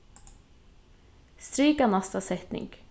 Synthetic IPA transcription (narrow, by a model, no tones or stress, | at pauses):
st̪ɾiːkanɑst̪ɑsɛt̪nɪ̰ŋɡ̥